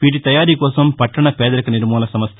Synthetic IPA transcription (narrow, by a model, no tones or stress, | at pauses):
ʋiːʈ̬ːit̪ɐjaːɾikoːsɐmpɐʈːɐɳɐpeːðɐɾɯkːɯnɪɾɯmoːlɐsɐmɐst̪